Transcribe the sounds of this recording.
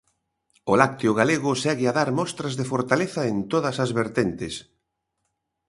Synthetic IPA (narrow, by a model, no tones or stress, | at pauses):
ʊlak̚t̪eʊɣ̞aleɣʊsɛɣɪaðaɾmɔst̪ɾɐzðefoɾt̪aleθɐent̪oðɐsɐzβeɾt̪ent̪ɪs